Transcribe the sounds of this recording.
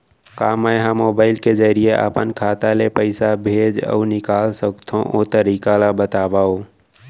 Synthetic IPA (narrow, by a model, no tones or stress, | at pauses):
kaːməjɦãmoːbaːɪlked͡ʒəɾijeʔa̰pənkʰaːt̪alepəɪsabʱeːd͡ʒə̰ʊnɪkaːlsəkt̪ʰõʔot̪əɾiːkalabət̪aːbaːo